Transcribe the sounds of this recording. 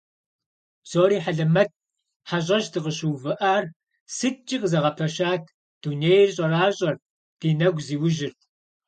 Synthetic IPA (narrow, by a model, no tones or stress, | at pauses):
z̥oːɾiːħaɮɐmɐt̚ | ħaɕ̬ʼɐʃdɨʁəɕuwvɨʔaːr | sɨt͡ʃʼːiqʼzɐʁɐpʰɐʃaːtʰ | d̥uːneːjrɕʼɐraːɕʼɐr | d̥iːnɐɡʷziːwʊʒɪrtʰ